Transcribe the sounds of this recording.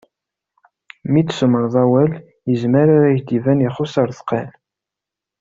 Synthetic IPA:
mit͡ssəməɾðˤæwæl | jəzməɾaɾæjd̪ivænjəχosˤəɾˤθqːæn

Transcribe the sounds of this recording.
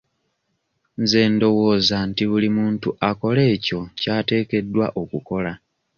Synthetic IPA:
nze̞ːndo̞wo̞ːzantiβulimuːntuʔako̞le̞ːco̞caːte̞ːke̞dːwa̰ʔo̞kuko̞la

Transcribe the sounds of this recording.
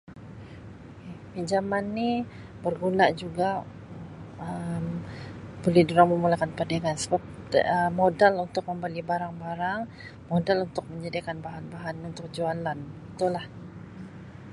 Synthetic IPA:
pid͡ʒamanːi | bərɡunaʔd͡ʒuɡa | əmbolɛhduɾaŋməmulakanpadaŋansəbap̚ | əmodalunt̪ʊk̚məmbalibaɾaŋbaɾaŋ | modalunt̪ʊk̚məɲd͡ʒadikanbaɦanbaɦanunt̪ʊk̚d͡ʒualanbit̪ulah

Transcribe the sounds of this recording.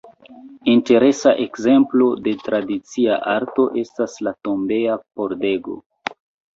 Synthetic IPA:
inte̞ɾe̞saʔe̞kze̞mplo̞de̞tɾadit͡siaʔaɾto̞ʔe̞staslato̞mbe̞apo̞ɾde̞ɡo̞̰

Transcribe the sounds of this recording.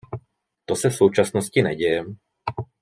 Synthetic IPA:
t̪ɔsafsuːt͡ʃasnɔscinɛ̰ɟɛjɛ

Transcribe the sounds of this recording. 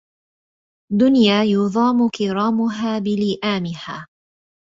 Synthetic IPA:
d̪ʊnjaːjʊðˤɑːmʊkɪɾˤɑːmʊɦaːbɪlɪʔaːmɪhaː

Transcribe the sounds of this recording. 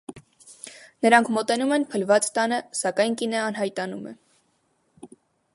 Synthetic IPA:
nəɾɑŋkʰmɔt̪ɛnumɛnpʰəlvɑt͡st̪ɑnəsɑkɑjnkinəɑnɦɑjt̪ɑnumɛ̰

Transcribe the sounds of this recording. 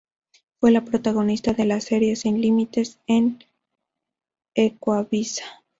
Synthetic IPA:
fwe̞lapɾo̞t̪aɣo̞nist̪aðe̞lase̞ɾje̞sinlimit̪e̞sen | ekwaβisḁ

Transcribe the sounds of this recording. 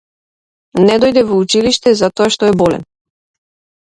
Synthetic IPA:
nɛd̪ɔjd̪ɛvɔut͡ʃiliʃt̪ɛzat̪ɔaʃt̪ɔɛbɔlɛ̰n

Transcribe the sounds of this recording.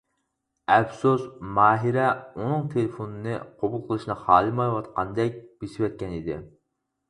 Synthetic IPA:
ɛbsosmɑːɦiɾɛunɨŋt̪ʰelefonɨnɨqʰobulˠqʰəlˠɨʃnɨχɑːlˠɨmɑjwɑt̪qʰɑnd̪ɛk̚ʲb̥esɪwɛt̪̚kʲɛnid̪ɪ̰

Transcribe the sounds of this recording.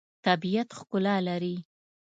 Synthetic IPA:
t̪abijat̪xkʊlɑlaɾi

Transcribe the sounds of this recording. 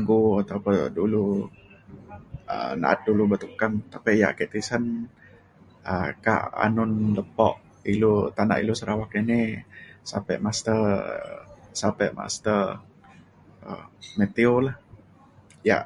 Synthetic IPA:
ɡuat̪aupʊdulu | ə̰na̰ʔa̰t̪̚dulubət̪ukant̪apija̰ʔkeʔt̪isən | ʔəka̰ʔa̰nʊnləpɔ̰ʔ | ilut̪ana̰ʔḭlusəɾawak̚ninisa̰pɛ̰ʔmast̪ə | sapɛʔma̰st̪ər | ə̰met̪iolah | ja̰ʔ

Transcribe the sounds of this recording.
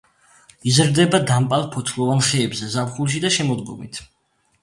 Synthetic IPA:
izɾd̪ɛbad̪ampʼalˠpʰɔt̪sʰlˠɔvanχɛːbzɛzapχulˠʃ̬id̪aʃɛmɔd̪ɡɔ̰mḭt̪ʰ

